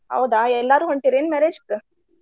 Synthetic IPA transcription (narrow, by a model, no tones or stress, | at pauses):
ɦɐ̰wd̪aɛlːaɾuːɦɐɳʈiɾeːnmɛɾed͡ʒpɾə